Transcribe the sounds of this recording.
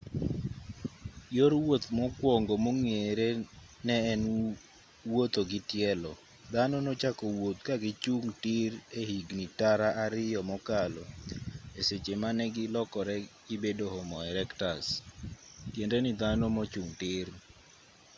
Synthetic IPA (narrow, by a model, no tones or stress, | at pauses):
joɾwot̪mɔkwɔŋɡɔmoŋeɾe | nɛːn | wot̪oɡɪtjɛlɔ̰ | d̪anonot͡ʃakɔwot̪kaɡɪt͡ʃuŋtɪɾehiɡnitaɾaʔaɾɪjɔmɔkalɔ | eset͡ʃemanɛɡɪlɔkɔɾɛɡɪbedohomɔɛɾɛktas | tjendenid̪anomɔt͡ʃuŋtɪr